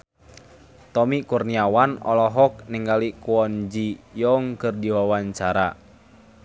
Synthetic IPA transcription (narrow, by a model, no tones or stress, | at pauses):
t̪ɔmikurniawanɔ̰lɔɦɔk̚nɛŋɡalikuɔnd͡ʒijɔŋkɨrdiwawaɲt͡ʃaɾa̰